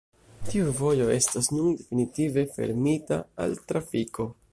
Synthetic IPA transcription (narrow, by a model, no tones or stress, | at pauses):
tiuvo̞jo̞e̞stasnunde̞finitive̞fe̞̰ɾmita̰a̰ltɾafikʰo̞